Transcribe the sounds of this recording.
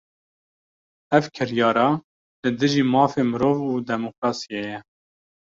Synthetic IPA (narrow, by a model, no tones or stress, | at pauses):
ɛvkʰɪɾjɑːɾɑː | lɨd̪ɨʒiːmɑːfeːmɨɾoːvuːd̪ɛmokɾɑːsiejɛ